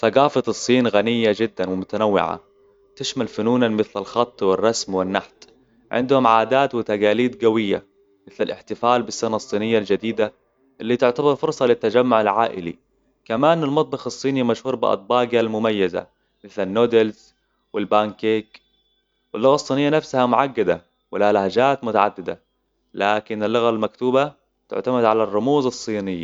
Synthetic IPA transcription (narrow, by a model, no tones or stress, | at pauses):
θaɡaːfɑt̪ˤɨsˤːiːnɣanɪjːad͡ʒɪd̪ːanwɪmʊt̪anawːɪ̰ʕa̰ | t̪ɪʃmalfʊnuːnanmɪθlalxɑt̪ˤːwɪrˤːɑsmwɪnːaħt̪ | ʕɪ̰nd̪hʊmʕaːd̪aːt̪wɪt̪aɡaːliːd̪ɡawɪjːa̰ | mɪθlalʔɪ̰ħt̪ɪfaːlbɪsːanɑsˤːiːnɪjːald͡ʒad̪iːd̪a | ʔɪlːit̪ɪʕt̪abɑɾˤfʊɾsˤɑlɪt̪ːad͡ʒamːʊʕɪlʕa̰ːʔɪ̰lḭ | kamaːnalmɑt̪̚ˤbɑxɑsˤːiːnimaʃhuːɾˤbɪ̰ʔɑ̰t̪̚ˤbɑːɡalmʊmajːaza̰ | mɪθlanːoːd̪ɪlz | wɪlbaːnkeːk | wɪlːʊɣasˤːiːnɪjːanafsahamʊʕaɡːad̪a | wɪlahalahad͡ʒaːt̪mʊt̪aʕa̰d̪ːɪd̪a̰ | laːkɪnɪlːʊɣalmakt̪uːba | t̪ɪ̰ʕt̪amaɪd̪ʕalarˤːʊmuːzɑsˤːiːnɪjːa